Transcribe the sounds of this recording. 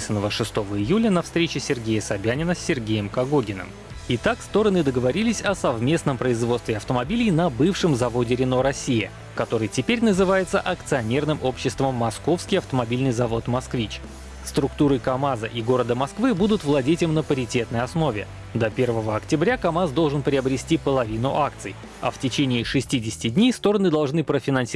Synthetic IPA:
sənːəvəʂɨst̪o̞vəɪjulʲənɐfst̪ɾʲet͡ɕɪsʲɪrɡʲejəsɐbʲænʲɪnəsʲːɪrɡʲejɪmkɐɡoɡʲɪnə̰m | ɪt̪akst̪o̞ɾənɨd̪əɡəvɐɾʲilʲɪsʲɐsɐvmʲe̞snəmpɾəɪzvot̪st̪vʲɪɐft̪əmɐbʲilʲɪjnɐbɨfʂɨmzɐvo̞dʲɪɾʲɪno̞ɾɐsʲːijə | kɐt̪o̞ɾɨjtʲɪpʲeɾʲnəzɨvajɪt̪səʔɐkt̪sɨɐnʲe̞rnɨmʔo̞pɕːɪst̪vəmːɐsko̞fskʲɪjɐft̪əmɐbʲilʲnɨjzɐvo̞t̪mɐskvʲit͡ɕ | st̪ɾʊkt̪uɾɨkɐmazəʔiɡo̞ɾəd̪əmɐskvɨbud̪ʊt̪vlˠɐdʲetʲɪmnəpəɾʲɪtʲe̞t̪nəjɐsno̞vʲɪ | d̪ɐpʲe̞rvəvəɐktʲɪbɾʲakɐmazd̪o̞lˠʐɨnpɾʲɪəbɾʲɪsʲtʲipəlˠɐvʲinʊ̰ʔak̚t̪sɨj | ɐ̰ftʲɪt͡ɕenʲɪːʂɨsʲtʲidʲɪsʲɪ̥tʲɪdʲnʲejst̪o̞ɾənɨd̪ɐlˠʐnɨpɾəfʲɪnɐnsʲ

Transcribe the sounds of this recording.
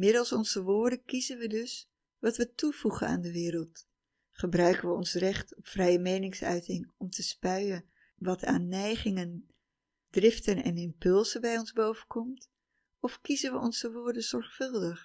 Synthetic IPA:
mɪdəlˠsɔnzəʋʊːɹdənkizənʋədɵs | ʋɑtʋətuvuχəna̰ːndəʋɪːɾəlˠt | χəbrœɥkənʋəɔnsrɛχtɔpfrɛjəmejnɪŋsœ̰ɥtɪŋɔmtəspœɥən | ʋɑta̰ːnːɛjχɪŋən | drɪftənɛ̰nɪmpɵlˠzəbɛjɔnzbowvənkʰɔmt | ɔfkizənʋəʔɔnzəʋʊːɹdənzɔɹχfɵlˠdəχ

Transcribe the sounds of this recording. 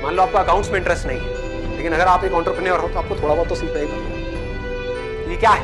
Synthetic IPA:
mãːnloaːp̚koɐkaːʊ̃ɳʈsmẽɪ̃ɳʈɾɛsʈnɐɦĩ | leːkɪnɐɡəɾaːpekãːɳʈɾopɾeneɔːɾɦot̪oaːp̚kot̪ʰoːɽabɔːt̪ːosɪkpɾaebi | jekjaːɦ

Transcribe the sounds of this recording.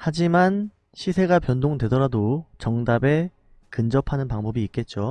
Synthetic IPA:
had͡ʑiman | ɕʰisʰe̞ɡapjʌndoŋdwe̞dʌɾadot͡ɕʌŋdabe̞ | kɯnd͡ʑʌpʰanɯnpaŋbʌbiːk͈e̞t̚t͡ɕ͈o

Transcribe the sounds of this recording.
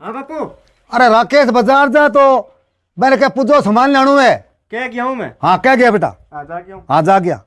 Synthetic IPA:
o | əɾeːɾãːkeːsbəzaːɾd͡ʒaːt̪̬oː | mɛ̃ːnk̬ɛːpʊd͡ʒoːsəmaːnlaːɽ̃ũːɛː | kɛɡɪaːũːmɛːɦãːkɛːɡɪjaːpɪʈa̰ː | ɦãːd͡ʒaːɡɪja̰ː

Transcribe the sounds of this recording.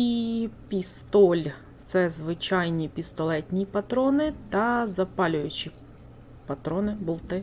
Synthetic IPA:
ipʲist̪ɔlʲ | t̪sɛzʋɪt͡ʃɑjnʲipʲist̪ɔlˠɛtʲnʲipɐt̪ɾɔnɪt̪ɐzɐpɑlʲʊjʊt͡ʃʲi | pɐt̪ɾɔnɪbʊlˠt̪ɪ

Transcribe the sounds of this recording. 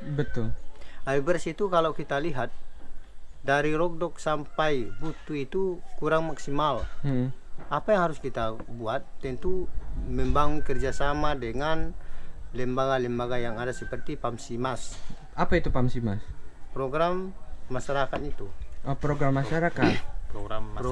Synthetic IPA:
bət̪ʊlabɛrsit̪ukalawkit̪aliɦat̪̚ | daɾiɾɔk̚dɔk̚sampajbut̪uit̪ukuɾaŋmaksimal | apajaŋhaɾʊskit̪abuat̪̚ːɛnt̪umɛmbaŋunkərd͡ʒasamadɛŋanlɛmbaɡalɛmbaɡajaŋadasəpərt̪ipamsimas | apait̪upamsima̰spɾɔɡɾamːaʃaɾakat̪it̪upɾoɡɾamːaʃaɾakat̪poɡa

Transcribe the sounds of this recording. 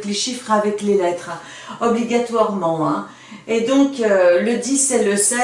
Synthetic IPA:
kleʃifχavɛklelɛt̪χ | ɔbliɡat̪waʁmɑ̃ɛ̃ | ed̪ɔ̃køləd̪isɛləsɛ

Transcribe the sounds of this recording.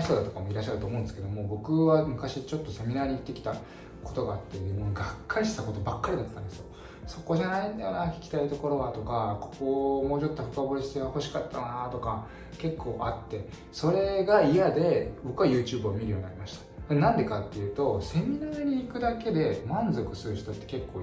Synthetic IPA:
çi̥t̪o̞d̪at̪o̞̥kamo̞iɾaɕːaɾɯt̪omõ̞ːnd̪sɨ̥ked̪o̞mo̞bo̞kɯ̟βamɯ̟kaɕit͡ɕot̪ːo̞se̞mʲinaːɲ̟it̪ːe̞kʲi̥t̪a | ko̞t̪o̞ɡaːt̪ːemoɡakːaɾiɕi̥t̪ako̞t̪o̞bakːaɾʲid̪at̪ːãnd̪esɨjo | so̞ko̞ʑanaĩnd̪ajonakʲi̥kʲi̥t̪ait̪o̞ko̞ɾo̞βat̪o̞kako̞̥ko̞mo̞ːt͡ɕo̞t̪ːo̞ɸɯ̟kabo̞ɾʲisi̥t̪eɡaho̞ɕi̥kat̪ːanat̪o̞ka | ke̞kʰːo̞ːʔat̪ːe̞ | so̞ɾe̞ɡaiad̪e̞bo̞kɯ̟βajɯ̟ːt͡ɕɨːbɯomʲiɾɯjoɲninaɾʲimaɕi̥t̪ḁd̪enãnd̪e̞kat̪ːe̞jɯ̟ːt̪o̞se̞mʲinaːɲ̟iːkɯ̟d̪ake̞d̪e̞mãnzo̞kɯ̟̥sɨɾɯ̟çi̥t̪o̞t̪ːe̞ke̞kːo̞ː

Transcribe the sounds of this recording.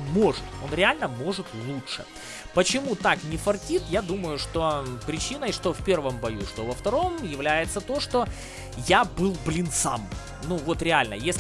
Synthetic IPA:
mo̞ʐɨt̪o̞̰nɾʲɪalʲnəmo̞ʐɨt̪lˠuʂɨ̰ | pət͡ɕɪmut̪aknʲɪfɐrtʲit̪jad̪uməjʊʂt̪opɾʲɪt͡ɕinəjʂt̪ofpʲe̞rvəmbɐjuʂt̪ovəft̪ɐɾo̞mjɪvlʲæjɪt̪sət̪o̞ʂt̪o̞ | jabɨlˠblʲɪnt̪sa̰m | nuvo̞t̪ɾʲɪalʲnə̰jesʲ

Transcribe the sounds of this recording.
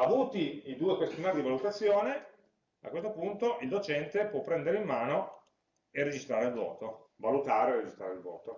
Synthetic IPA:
avuːt̪iid̪uːekwest̪imaɾid̪ivalut̪at̪sːjoːne | a̰kwes̬t̪opunt̪oild̪ot͡ʃɛnt̪epwɔpːɾɛnd̪eɾeimːaːno | ered͡ʒist̪ɾaːɾeilvɔ̰ːt̪ovalut̪aːɾeered͡ʒist̪ɾaːɾeilvɔ̰ːt̪o

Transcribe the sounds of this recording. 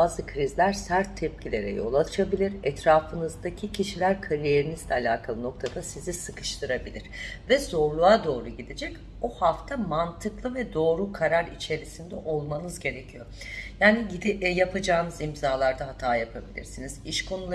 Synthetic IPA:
baːzɯkʰɾizlʲæɾsæɾt̪ʰːɛp̚cʰilʲe̞̰ɾɛ̰jo̞̰lˠat͡ʃʰabilʲiɾɛt̪ʰɾaːfɯnɯzd̪acʰicʰiʃilʲæɾkʰalʲije̞ɾiniz̥lʲɛalʲaːkʰalˠɯno̞k̚t̪ʰad̪asizisɯkɯ̥ʃt̪ʰɯɾabilʲiɾ̥vɛz̥o̞ɾlˠuad̪o̞ːɾuɟid̪ed͡ʒɛc | ohaft̪ʰamant̪ʰɯklˠɯvɛd̪o̞ːɾukʰaɾaɾit͡ʃʰe̞ɾisind̪ɛʔo̞lˠmanɯzɟe̞ɾecʰijo̞ | jaːniɟid̪japʰad͡ʒaːnɯzimzaːlˠaɾd̪aɦat̪ʰaːjapʰabilʲḭɾsiniz̥iʃkʰo̞nulˠa

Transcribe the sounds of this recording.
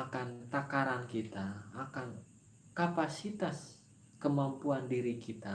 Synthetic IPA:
akant̪akaɾankit̪aakan | kapasit̪as | kəmampuandiɾikit̪a

